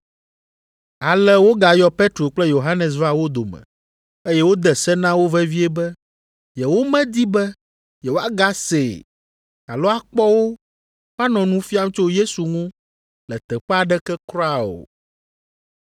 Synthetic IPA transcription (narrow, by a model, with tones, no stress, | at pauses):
a˨lɛ˦wo˦ɡa˨jɔ˦pe˦t̪ɾo˨k͡plɛ˦jo˨ɦa˦nɛ˨s̬va˦wo˦d̪o˨mɛ̰̃˨ | e˦jɛ˦wo˦d̪ɛ˨sɛ˦nã˦wo˦vɛ˦vi˦ɛ˦bɛ˦ | jɛ˨wo˦mɛ̃˦d̪i˦bɛ˦ | jɛ˨wo˦a˦ɡa˦se˨ | a̰˨lo˦a˦k͡pɔ˦wo˦ | wa˦nɔ̃˨nũ˦fi˦a˦m˦t͡ʃo˦je˦su˨ŋũ˦ | lɛ˨t̪ɛ˨ɸa˨ɖɛ˦kɛ˦kɾɔ˦a˨o̰˨